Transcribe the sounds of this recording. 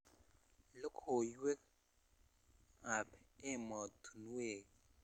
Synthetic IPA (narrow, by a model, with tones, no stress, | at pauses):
lo˦kʰo˨jwe˦k̚ | a˨pɪ˦mɔ˨tʰu˨n˦we˨